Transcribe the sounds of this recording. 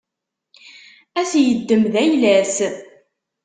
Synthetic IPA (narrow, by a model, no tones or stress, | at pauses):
æsjəd̪ːəmðæjlæs